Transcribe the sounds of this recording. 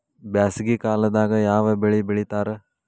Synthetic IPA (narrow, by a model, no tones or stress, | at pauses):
bjaːsiɡikaːlɐd̪aːɡɐjaːʋɐbeɭibeɭit̪aːɾe